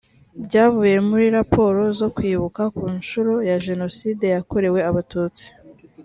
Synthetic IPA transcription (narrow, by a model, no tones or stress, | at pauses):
bɟaːvuːje̞muɾiɾapʰo̞ɾo̞zo̞kwiːβukakuːɲt͡ʃuɾojaʒe̞no̞siːde̞jako̞ɾe̞we̞aβatuːt͡si̥